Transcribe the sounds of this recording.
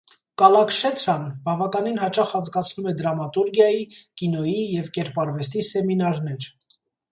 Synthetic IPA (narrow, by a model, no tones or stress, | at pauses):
kɑlɑkʃɛt̪ɾɑnbɑvɑkɑninɦɑt͡ʃɑχɑnd͡zɡɑt͡sʰnumɛd̪ɾɑmɑt̪uɾɡjɑjikinɔjijɛvkɛɾpɑɾvɛst̪isɛminɑɾnɛɾ